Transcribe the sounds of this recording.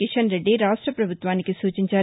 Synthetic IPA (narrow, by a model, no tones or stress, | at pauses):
kiʃɐnɾeɖːiɾaːʂʈɾɐpɾɐbʱut̪ʋaːnikisuːt͡ʃiɲt͡ʃaː